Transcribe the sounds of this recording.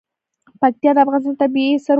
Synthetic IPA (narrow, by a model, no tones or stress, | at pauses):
pak̚t̪ijɑd̪əafɣɑnɪst̪ɑnt̪abiisəɾ